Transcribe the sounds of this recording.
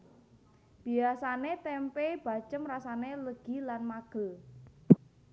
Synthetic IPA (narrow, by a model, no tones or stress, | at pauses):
b̥i̤asanet̪ɛmpeb̥a̤̥t͡ʃəmrasaneləɡ̥i̤lanmaɡ̥ə̤l